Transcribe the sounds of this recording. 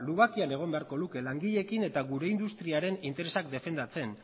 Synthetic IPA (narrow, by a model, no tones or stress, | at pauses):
luɣakiane̞ɣ̞o̞mbe̞aɾko̞luke̞laŋɡiʎe̞kine̞t̪aɣuɾe̞ind̪ust̪ɾiaɾe̞nint̪e̞ɾe̞sak̚d̪e̞fe̞nd̪at͡se̞n